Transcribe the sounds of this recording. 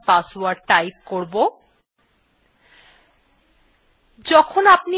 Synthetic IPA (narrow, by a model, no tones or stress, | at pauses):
pasoaɾʈajp̚koɾbo | d͡ʑɔkʰonapni